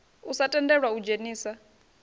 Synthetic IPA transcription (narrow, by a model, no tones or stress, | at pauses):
usatʼɛndɛɺwaud͡ʒeniːsa